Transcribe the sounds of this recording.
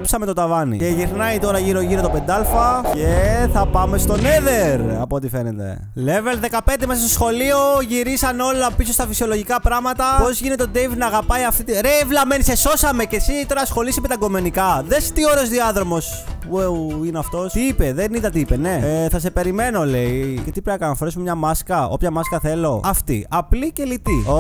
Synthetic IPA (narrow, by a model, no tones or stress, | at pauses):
psɐmet̪o̞t̪ɐvɐnḭeʝiɾnɐit̪o̞ɾɐʝiɾo̞ʝiɾot̪o̞pe̞nd̪ɐlfɐceθɐpɐme̞st̪o̞neðe̞ɾɐ̰poːt̪ife̞nḛt̪ḛ | levelðe̞kɐpe̞nd̪emɐɐst̪osxo̞lio̞ʝiɾisɐno̞lɐpiso̞st̪ɐfisio̞lo̞ʝikɐpɾɐɣmɐt̪ɐpo̞zʝinet̪eod̪ejvnɐːɣɐpɐiɐft̪it̪iɾevlɐmenise̞so̞sɐme̞cesit̪o̞ɾɐsxo̞lisimet̪ɐɡo̞me̞nikɐðest̪io̞ɾeo̞zðiɐðɾo̞mo̞s | puineɐft̪o̞st̪iipeðeniðɐt̪iipeneθɐse̞pe̞ɾime̞no̞le̞iʝet̪ipɾenɐkɐnɐfoɾes̬memɲɐmɐskɐo̞̰pçɐmɐskɐθe̞lo̞ɐft̪ḭʔɐplice̞lit̪io